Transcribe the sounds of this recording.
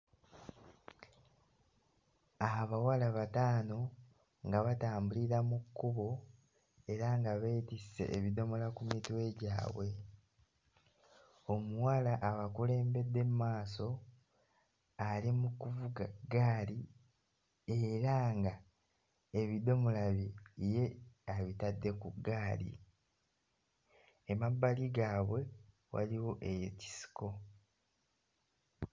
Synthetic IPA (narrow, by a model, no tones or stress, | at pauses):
aβawalaβataːno̞ | ŋɡaβataːmbuliɾamukːuβo̞ | e̞ɾaŋɡaβetise̞̰ʔːβid̪o̞mo̞lakumitiwe̞ɟaːβwe̞ | o̞muwalaʔaβakule̞ːmbe̞d̪ːe̞mumaːso̞ | alimukuvuɡaɡaːli | e̞ɾaŋɡa | eβid̪o̞mulaβije̞aβitadːe̞kuɡaːlḭ | emabːaliɡaːβwe̞ | wa̰liwo̞ʔe̞jeci̥si̥ko̞